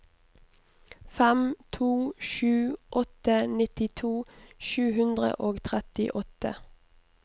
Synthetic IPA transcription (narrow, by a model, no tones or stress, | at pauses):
fæmt̪ʰuːʃʉːʔɔt̪ənɪt̪ɪt̪ʰuːʃʉːhʉnd̪ʁə̰ʔoːɡt̪ʰʁɛt̪ɪ̰ʔɔt̪ə